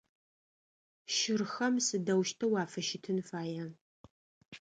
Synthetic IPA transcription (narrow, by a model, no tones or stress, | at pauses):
ʃɪrxɐmsɨdɐwʃtʰɐwaːfɐʃɪtʰɨnfaːja